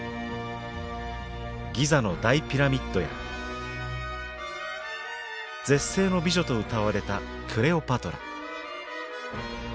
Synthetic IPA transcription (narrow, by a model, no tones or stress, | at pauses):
ɡʲizano̞d̪aipʲiɾamʲit̪ːo̞ja̰ | d͡zẽ̞sːe̞ːno̞bʲiʑo̞t̪o̞ɯ̟t̪aβaɾe̞t̪a | kʰɯ̟ɾe̞o̞pat̪o̞ɾa̰